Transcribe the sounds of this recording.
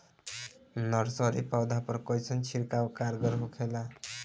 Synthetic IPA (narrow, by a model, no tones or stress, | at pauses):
nʌɾsɔɾipawd̪apəɾkɔjsʰʌnt͡ʃʰiɾkawkaɾɡəɾɦukʰela